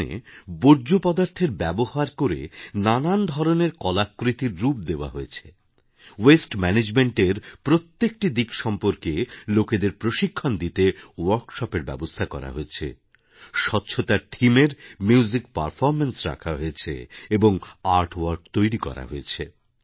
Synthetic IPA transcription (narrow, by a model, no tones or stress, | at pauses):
ḛboɾd͡ʑopɔd̪aɾt̪ʰeɾbɛbohaɾkoɾḛnanand̪ʱɔɾoneɾkɔlakːɾit̪iɾːup̚d̪eoa̰ɦoet͡ɕʰe | wesʈmɛned͡ʑmeɳʈeɾpɾot̪ːek̚ʈid̪ikʃɔmpoɾkeloked̪eɾpɾoʃikʰːand̪it̪ewaɾkʃɔpeɾbɛ̰bost̪ʰakɔ̰ɾa̰ɦoet͡ɕʰḛ | ʃɔtːɕʰot̪aɾʈʰimeɾmuwzik̚pa̰ɾfɔɾmensɾa̰kʰaɦoet͡ɕʰḛeboŋaɾʈwaɾkt̪ojɾikɔ̰ɾa̰ɦoet͡ɕʰe